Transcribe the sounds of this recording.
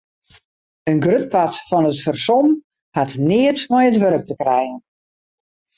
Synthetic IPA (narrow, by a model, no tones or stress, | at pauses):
ənɡrøt̚patfɔnətfərsɔm | hatnɪətmɔjətʋøɾək̚təkrɛjɣən